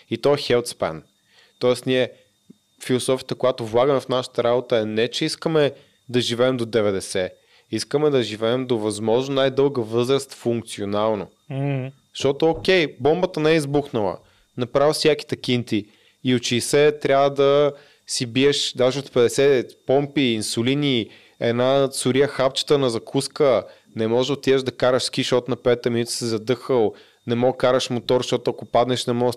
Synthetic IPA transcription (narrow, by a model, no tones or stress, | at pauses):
it̪ɔɛxɛlˠt̪spɛ̰n | t̪ɔɛst̪niɛ | filˠosɔfijə̥t̪əkojat̪ovlˠaɡəmɛfnaʃə̥t̪əɾabot̪əɛnɛt͡ʃɛiskəmɛ | d̪ɐʒivɛːmd̪od̪ɛvɛd̪ɛsɛ | iskəmɛd̪ɐʒivɛːmd̪ovɐzmɔʒnonajd̪ɤlˠɡəvɤzɾəst̪fuŋkt̪sionalˠno | ʃt̪ɔt̪ʊokʲɛjbɔmbət̪ənɛɛizbuxnəlˠə̰ | nɐpɾavsʲjaki̥t̪ɐkʲint̪iː | ot͡ʃisɛt̪ɾʲavəd̪ɐ | sibiɛʃd̪aʒɛot̪pɛd̪ɛsɛpɔmpiːnsʊlini | ɛ̰nasʊɾiəxapt͡ʃə̥t̪ənɐzɐkʰuskə | nɛmɔʒɛot̪iəʒd̪ɐkaɾɐʃsk̟iʃɔt̪nɐpɛt̪ɛminut̪i̥sizɐd̪ɤxəlˠ | nɛmɔkaɾəʃmot̪ɔɾʃt̪ɔt̪ʊɐkopad̪nɛʃnɛmɔ